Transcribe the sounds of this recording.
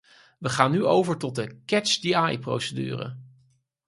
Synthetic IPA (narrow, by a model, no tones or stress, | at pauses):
ʋəχaːnːyowvəɹtɔt̚dəkɛt͡ʃdiajpro̰wsədy̰ːrə̰